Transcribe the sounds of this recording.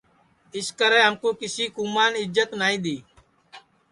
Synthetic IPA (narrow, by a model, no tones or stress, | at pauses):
ɪskəɾɛ̃ːɦəmkoːkɪsiːkuːmaːnɪd͡ʒət̪naːĩːd̪iː